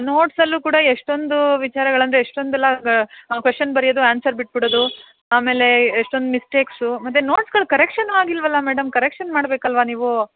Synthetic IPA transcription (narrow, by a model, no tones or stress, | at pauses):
no̞ːʈsɐlːuːkuːɽɐeʂʈo̞nd̪uʋit͡ʃaːɾɐɡɐɭɐnd̪ɾeeʂʈo̞nd̪ɛlːɐkʋeʂʈːɐnbɐɾijod̪uaːnsɐɾbiʈ̚biɽoːd̪u | aːme̞ːle̞ːʂʈo̞nd̪umisʈe̞ːksumɐt̪ːeno̞ːʈsɡɐɭkɐɾekʂɐnʋaːɡilʋɐlːɐmeːɖɐmkɐɾekʂɐnmaːɽbe̞ːkɐlʋaniːʋu